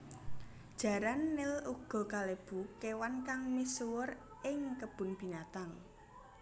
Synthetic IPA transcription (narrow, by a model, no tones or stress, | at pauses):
d̥ʒ̥ä̤ɾanːɪluɡ̥ɔ̤kaleb̥ukewankaŋmiswʊr | ɪŋkəb̥ʊ̤nb̥i̤nat̪aŋ